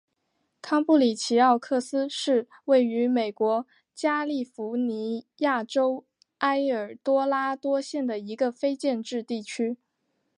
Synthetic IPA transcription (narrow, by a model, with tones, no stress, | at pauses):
kʰɑ˥ŋpu˥˩li˨˩t͡ɕʰi˧˥ɑ˥˧ʊkʰɤ˥˩sɹ̩˥ʂɻ̩˥˧ | we˥˩ɪy˧˥me˨˩ɪkwɔ˧˥ | t͡ɕja˥li˥˩fu˧˥ni˧˥ja˥˩ʈ͡ʂo˥ʊ | a˥ɪə˞˨˩t̪wɔ˥la˥t̪wɔ˥ɕjɛ˥˩nd̪ə˩i˧˥ɡə˧fe˥ɪt͡ɕjɛ˥˧nʈ͡ʂɻ̩˥˧t̪i˥˩t͡ɕʰy˥